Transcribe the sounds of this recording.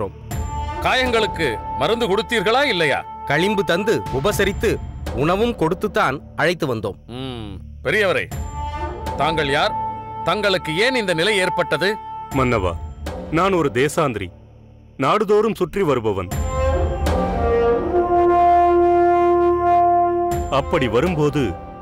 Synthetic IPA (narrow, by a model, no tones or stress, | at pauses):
ɾo̰ːmkaːjɐŋɡɐɭɯkːɯmɐɾɯnd̪ɯkɔɽɯt̪ːiːɾɣɐɭaːɪlːɐja̰ː | kɐɻɪmbɯt̪ɐnd̪ɯʊbɐsɐɾɪt̪ːɯʊɳɐʋɯmkɔɽɯt̪ːɯt̪ːaːnʔɐɻɐɪt̪ːɯʋɐnd̪o̰ːmm | pɛɾɪjɐʋɐɾɐ̰ɪ | t̪aːŋɡɐɭjaːɾt̪ɐŋɡɐɭɯkːɯeːnɪnd̪ɐnɪlɐjeːɾpɐʈːɐðɯmɐnːɐʋa̰ːnaːnɔɾɯd̪eːsaːnd̪ɾḭ | naːɽɯðoːɾɯmsʊʈriʋɐɾɯbɐʋɐ̰n | ɐpːɐɽiʋɐɾɯmpoːðɯ̰